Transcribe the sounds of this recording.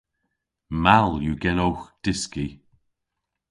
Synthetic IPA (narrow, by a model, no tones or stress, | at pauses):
malˠjuɡɛnowxd̥ɪski